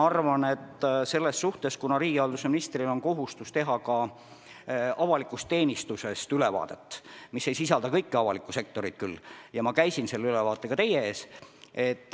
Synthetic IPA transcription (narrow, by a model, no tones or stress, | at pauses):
ɑrvɑne̞t̪ːse̞lːesːuht̪e̞skunɑɾiːɡ̥iɑld̪̥useminist̪rilo̞nko̞ɦust̪ust̪e̞ɦɑkɑ | ɑvɑlikˑust̪ːe̞ːnist̪use̞st̪yle̞vɑ̰ːd̪̥e̞t̪ːmisːe̞jsisɑld̪̥ɑkɤjkːɑvɑlikːˑuse̞k̚t̪o̞ɾit̪̚kylːjɑmɑkæjsinse̞lːeylevɑːt̪ːˑe̞kɑt̪e̞jeeːse̞t̪ːˑ